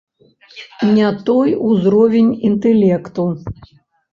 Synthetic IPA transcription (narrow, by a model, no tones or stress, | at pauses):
nʲat̪ɔjuzɾɔvʲenʲint̪ɛlʲɛkt̪u